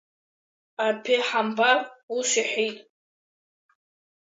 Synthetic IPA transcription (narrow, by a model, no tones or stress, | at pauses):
apʰeħambaruʃʷiħitʼ